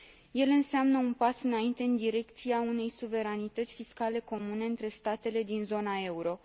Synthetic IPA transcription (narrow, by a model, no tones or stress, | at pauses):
je̞lɨnseamnəunpasɨnaint̪e̞ɨnd̪iɾe̞kt̪siaune̞jsuve̞ɾanit̪ət̪sʲfiskale̞ko̞mune̞ɨnt̪ɾe̞st̪at̪e̞le̞d̪inzo̞nae̞uɾo̞